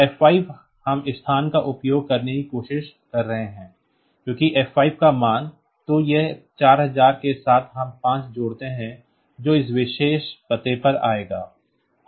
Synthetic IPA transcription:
ɛːfaːib | hɐmɪst̪ʰaːnkaʔʊpjoːɡ̚kɐɾnekikoːʃɪʃ | kɐɾːɐɦẽɦɛ̃ː | kjõːkiʔɛːfaːɪb̚kamaːn | t̪ojɛt͡ʃaːɾɦɐzaːɾkesaːt̪ʰɦɐmpãːt͡ʃd͡ʒoːɽt̪eɦɛ̃ | d͡ʒoːɪs̬ʋɪʃeːʃpɐt̪epɐɾa̰ːeːɡaː

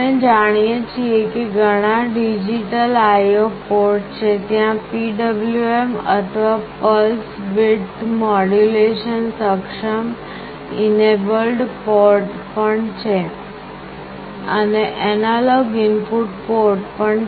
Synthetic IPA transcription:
ẽd͡ʒaɽ̃ijet͡ʃʰiekeɡʱəɽ̃ãɖid͡ʒiʈəlajopoɾʈt͡ʃʰet̪jãpiɖəbljuemə̰t̪ʰʋapəlsbiʈmɔɽuleʃənsəkʃəm | inebəlɖpɔɾʈ | pəɳt͡ʃʰe | ə̰neʔɛnalɔɡinpuʈpoɾʈpəɳ

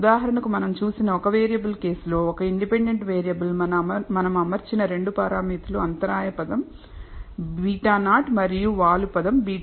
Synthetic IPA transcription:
d̪aːɦɐɾɐɳɐkumɐnɐmt͡ʃuːsinɐɔkɐʋeːɾijɐbulke̞ːslo̞ːɔkɐiɳɖipe̞ɳɖeɳʈʋeːɾijɐbulɐnmɐnɐmɐmɐɾt͡ʃinɐɾe̞ɳɖupɐːɾaːmiːt̪uluɐnt̪ɐɾaːjɐpɐd̪ɐm | biːʈaːnaːʈmɐɾijuʋaːlupɐd̪ɐmbiː

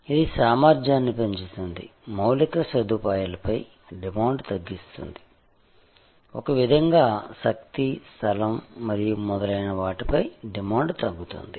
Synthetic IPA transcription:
id̪isaːmaːɾd͡ʒjaːnːipeɲt͡ʃit̪und̪ḭmɐwlikɐsɐd̪uːpaːjɐlɐpɐj | ɖimaːɳɖt̪ɐɡːist̪ṵnd̪i | ɔkɐʋid̪ʱɐŋɡaːsɐk̚t̪ist̪ʰɐlɐmːɐɾijumɔd̪ɐlɐjnɐʋaːʈipɐjɖimaːɳɖt̪ɐɡːut̪ṵnd̪i

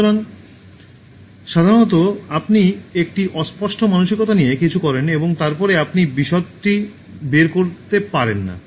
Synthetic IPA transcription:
oɾan | ʃad̪ʱaɾonɔt̪̬oapniek̚ʈiʔɔspɔʃʈomanoʃikot̪anijekit͡ɕʰukɔɾeneboŋt̪aɾpɔɾeapnibiʃɔt̪ʈi | beɾkoɾt̪epaɾenːa̰

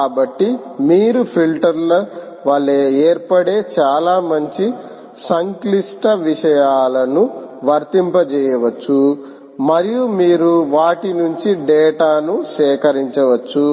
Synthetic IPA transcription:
kaːbɐʈːimiːɾupʰilʈɐɾlo | ʋaːɭːeːeːɾpɐɽe̞ːt͡ʃaːlaːmɐɲt͡ʃi | sɐŋklisʈɐʋiʂɐjaːlɐnuʋɐɾt̪impɐt͡ʃɛːjɐʋɐt͡ʃːu | mɐɾijumiːɾuʋaːʈinuɲt͡ʃiɖɛːʈaːnuʃɛːkɐɾiɲt͡ʃɐʋɐt͡ʃːu

